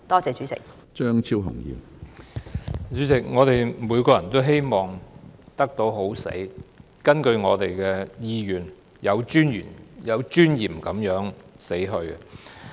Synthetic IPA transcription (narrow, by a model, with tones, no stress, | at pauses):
t̪ɔː˥t͡sɛː˨˧t͡ʃy˨˥t͡sɪ̰˨k̚ | t͡ʃœː˥ŋt͡sʰiː˥wɦʊ̰˨˩ŋjḭː˨˧m | t͡ʃyː˨˥t͡sɪ˨˩k̚ŋɔː˨˧t̪e˨jmuː˨˧jkɔː˧jɐ˨˩nt̪o˥wɦe˥jmɔː˨˩ŋt̪ɐ˥k̚t̪o˨˥wɦo˨˥wsḛ˨˥j | kɐ˥nkɵ˧ɥŋɔ̰ː˨˧t̪e˨jkɛ˧jiː˧jyː˨˩n | jɐ˨˧wt͡ʃyː˥njy̰ː˨˩njɐ˨˧wt͡ʃyː˥njiː˨˩mkɐ˨˥mjœː˨˥ŋse˨˥jɦɵ˧ɥɛ˨